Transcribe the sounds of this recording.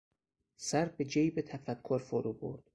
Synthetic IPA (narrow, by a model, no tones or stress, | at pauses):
sæɾbed͡ʒejbet̪ʰæfækʰːoɾfoɾubo̰ɾd̪̥